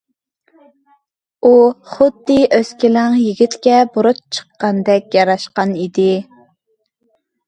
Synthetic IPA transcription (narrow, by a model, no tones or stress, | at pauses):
uχʊd̪ːɨʔøskʲilɪŋjiɡʲit̪kʲɛbuɾʊt̪̚t͡ʃʰə̥qːɑnd̪ɛkʲjɑɾɑʃqɑnid̪ɪ